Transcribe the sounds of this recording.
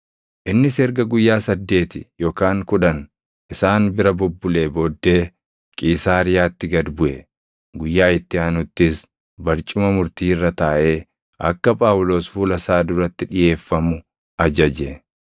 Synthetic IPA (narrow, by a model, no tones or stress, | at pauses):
ʔɪnːɪsɛɾɡɐɡʊjːaːsɐd̪ːe̞ːt̪ɪjoːkaːŋkʊᶑɐn | ʔɪsaːnbɪɾɐbʊbːʊleːbo̞ːd̪ːeː | kʼiːsaːɾɪjaːt̪ːɪɡɐd̪bʊʔɛ | ɡʊjːaːɪt̪ːɪaːnʊt̪ːɪs | bɐɾt͡ʃʼʊmɐmʊɾt̪iːrːɐt̪aːʔe̞ː | ʔɐ̰kːɐpʼaːwʊlo̞ːsfuːlɐsaːd̪ʊɾɐt̪ːɪᶑɪje̞ːfːɐmʊ | ʔɐd͡ʒɐd͡ʒɛ